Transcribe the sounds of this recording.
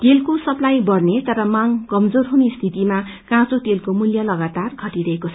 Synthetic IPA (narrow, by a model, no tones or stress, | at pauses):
t̪elkosʌplajbʌrnet̪ʌɾʌmaŋkʌmd͡zorɦunest̪ʰit̪ima | kãt͡sot̪elkomuljʌlʌɡat̪arɡʱʌʈiɾʌɦekot͡sʰʌ